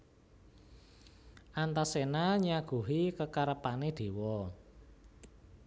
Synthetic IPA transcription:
ʔant̪asenaɲaɡ̥ṳɦikəkaɾəpaned̪̥e̤wɔ

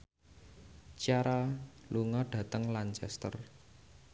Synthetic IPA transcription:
t͡ʃaɾaluŋɔɖ̥ä̤t̪əŋlant͡ʃɛ̰st̪ə̰r

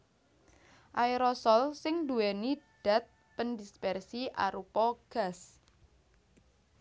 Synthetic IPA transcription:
ʔajɾɔsɔlsɪŋd̪uweniɖ̥a̤t̪̚ | pəndispɛrsiʔaɾupɔɡ̥a̤s

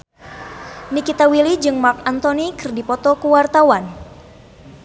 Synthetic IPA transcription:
nikit̪awilid͡ʒɨŋmarkant̪onikɨrdipɔt̪ɔkuwart̪awan

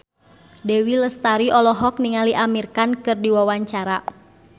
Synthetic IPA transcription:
dewiləst̪aɾiʔɔlɔɦɔk̚niŋaliʔamirkankɨrdiwawaɲt͡ʃaɾa

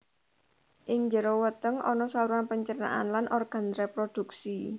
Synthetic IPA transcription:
ʔɪŋɲd͡ʒəɾowət̪əŋʔɔ̰nɔsauɾuanpəɲt͡ʃəna̰ʔanlanʔɔrɡ̥a̤nrepɾod̪̥uksi

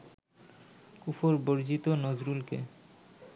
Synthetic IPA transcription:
kufoɾboɾd͡ʑit̪onod͡ʑɾulkḛ

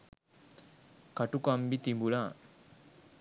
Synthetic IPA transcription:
kaʈukambit̪imbulaː

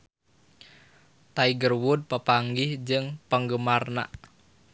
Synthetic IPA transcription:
t̪aiɡərwud̪̚pəpaŋɡɪhd͡ʒɨŋpəŋɡəmarna̰ʔ

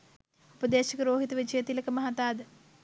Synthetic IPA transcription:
upəd̪eːʃɐkəɾoːɦit̪ɐʋit͡ʃɐjet̪ilɐkəmɐɦat̪aːd̪ə

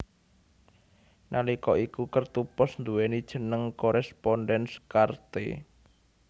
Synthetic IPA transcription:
nʔalikɔʔikukərt̪upɔsnd̪uwenid̥ʒ̥ə̤nəŋkoɾɛspɔnɖɛnskart̪ḛ

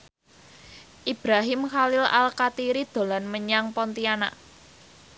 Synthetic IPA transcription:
ʔib̥ɾaɦɪmxalɪla̰lkat̪iɾid̪̥o̤lanməɲaŋpɔnt̪iana̰ʔ

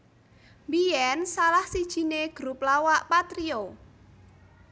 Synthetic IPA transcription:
mbiɛnsalahsid̥ʒ̥i̤neɡ̥ɾup̚lawaʔpat̪ɾio

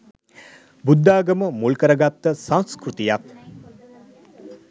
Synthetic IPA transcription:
bud̪ːaːɡəməmulkəɾəɡat̪ːəsãñskɾut̪ijak̚

